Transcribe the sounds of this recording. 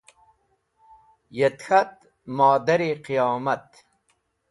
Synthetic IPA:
jet̪xɐt̪̚ | mɔːd̪ɐɾiqijɑːmɐt̪

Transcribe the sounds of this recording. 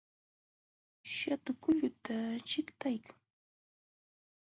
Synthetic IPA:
ʃat̪ʊkʊʎʊt̪at͡ʃɪkt̪ajkʰaŋ

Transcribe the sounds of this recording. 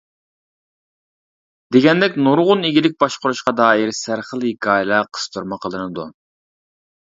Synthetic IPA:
d̪̥eɡʲɛnd̪ɛkʲnuɾʁʊneɡʲilɪk̚ʲbɑʃqʊɾuʃqɑd̪ɑːiɾsæɾχəlˠhɪkʰɑːjlˠɑqʰə̥st̪ʰuɾmɨqʰəlˠɨnɨd̪ṵ

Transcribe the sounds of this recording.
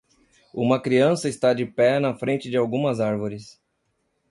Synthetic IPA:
ũmɐkɾiɐ̃sɐɪst̪ad͡ʒɪpɛnɐfɾẽnt͡ʃɪd͡ʒɪawɡũmɐzaɾvoɾɪs

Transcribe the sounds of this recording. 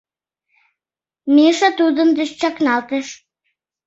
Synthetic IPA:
miʃɑt̪ud̪ənd̪ə̆ʃt͡ɕɑknɑlt̪ə̆ʃ

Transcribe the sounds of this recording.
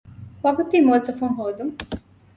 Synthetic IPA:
ʋɐɡut̪iːmoːzɐfuŋɦoːd̪uŋ

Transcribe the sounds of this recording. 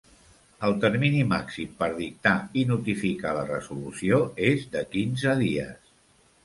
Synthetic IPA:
əlˠt̪əɾminima̰ksimpəɾðik̚t̪ainut̪ifikalərəzulusioezd̪əkinzəðiə̰s

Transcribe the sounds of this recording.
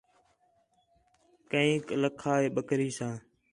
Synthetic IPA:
kəĩːkləkʰaːeːɓəkɾiːsãː

